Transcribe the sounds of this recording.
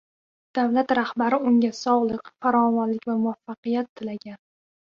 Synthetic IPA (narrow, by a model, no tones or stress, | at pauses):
d̪̥avlat̪ɾahbaɾɪʊŋʲasɒʁlˠɨqfaɾɒmɒnlɪkʲvamʊafːɑqɨjat̪ʰːɪlaɡʲan